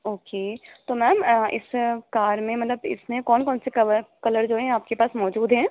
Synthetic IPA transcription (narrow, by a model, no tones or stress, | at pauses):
oːkeːtt̪oːmɛːmɪ̰skaːɾmẽmɐt̪ləbɪ̰smẽkɔːnkɔːnsekɐkɐləɾd͡ʒoːɦɛ̃aːp̚kepaːsmɔːd͡ʒuːd̪ʱɦɛ̃ː